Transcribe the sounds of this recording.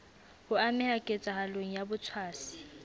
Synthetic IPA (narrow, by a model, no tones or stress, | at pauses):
hʊamɪhakʼet͡sʼahalweŋ̩jabʊt͡sʰwaːsi̥